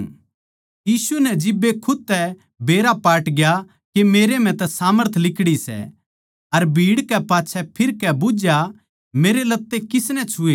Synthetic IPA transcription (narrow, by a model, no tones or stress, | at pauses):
jiːsunɛd͡ʒɪbːekʰʊd̪̚t̪ɛ | beːɾapaːʈɡja | kemeːɾem̤ɛ̃t̪ɛsaːməɾt̪ʰlɪkɽisɛ̰ | ɐɾbʱiːɽkɛpaːtːt͡ʃʰɛpʰɪɾkɛbʊd͡ʒja | meːɾelɐt̪ːekɪsnɛt͡ʃʰʊeː